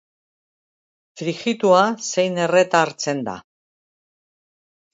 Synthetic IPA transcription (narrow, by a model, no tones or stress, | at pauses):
fɾixit̪uase̞jne̞re̞t̪aːɾt͡se̞nd̪a̰